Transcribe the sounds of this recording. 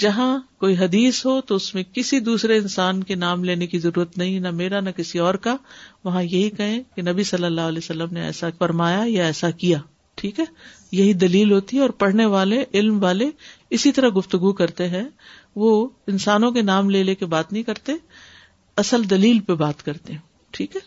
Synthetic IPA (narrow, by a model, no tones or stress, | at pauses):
d͡ʒɐɦãkoːiɦɐd̪iːsɦot̪oʊsmẽkɪsid̪uːsɾeɪnsaːnkenaːmleːnekizɐɾuːɾət̪nɐɦĩnɐmeːɾanɐkɪsiɔːɾkaʋɐɦãjɐɦikɐɦẽkenɐbisɐlːəlːaːɦʊɐlɛːsɐlːəmneɛ̰ːsafɐɾmaːjajaɛːsakijaː | ʈʰiːkɦɛː | jɐɦid̪ɐliːlɦoːt̪iɦɛɔːɾpɐɽ̤neʋaːleʔɪlmʋaːle | ɪsit̪ɐɾɐɡʊft̪ʊɡukɐɾt̪eɦɛ̃ | ʋoɪnsaːnõkenaːmleːlekebaːt̪nɐɦĩkɐɾt̪e | ɐsəld̪ɐliːlpebaːt̪kɐɾt̪eɦɛ̃ | ʈʰiːkɦɛː